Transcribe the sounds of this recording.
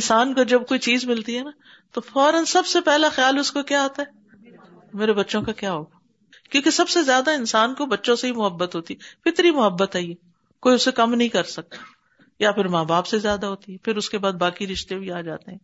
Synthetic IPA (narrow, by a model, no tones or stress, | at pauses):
ɪnsaːnkod͡ʒɐb̚koːit͡ʃiːzmɪlt̪iɦɛnaː | t̪ofɔːɾənsɐbsepɛɦlaxjaːlʊskokjaːɦoːt̪aɦɛː | meːɾebɐtːʃõkakjaːɦoːɡaː | kjõːkesɐbsezjaːd̪aɪnsaːnkobɐtːʃõseɦimʊɦəbːət̪ɦoːt̪iɦɛfɪt̪ɾimʊɦəbːət̪ɦɛiɦɛː | koːiʊsekɐmnɐɦĩkɐɾsɐk̚t̪ḁ | japʰɪɾmaːbaːpsezjaːd̪aɦoːt̪iɦɛpʰɪɾʊskebaːd̪̚baːkiɾɪʃt̪ebʱiaːd͡ʒa̰ːt̪eɦɛ̃ː